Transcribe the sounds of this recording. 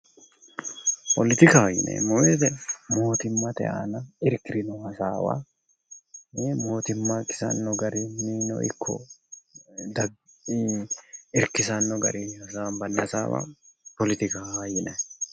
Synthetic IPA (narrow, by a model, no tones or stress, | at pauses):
pɔlɪt̪ɪkaːjɪ̰nɛ̰mɔweːd̪ɛmo̞ːt̪ɪmːɐt̪ɛ̰ʔa̰ːnɐɪɾkɪɾɪnɔhɐsaːwa̰ | mo̞ːt̪ɪmːɐkɪ̥sɐ̰nːɔɡɐɾɪmiːnɔ̰ʔɪ̰kʰːɔ̰ | d̪ɐ | ɪɾkɪsɐnːɔɡɐ̰ɾɪhɐsaːnbɐnːɐsa̰ːwa̰ːpɔlɪt̪ɪkajɪnɛ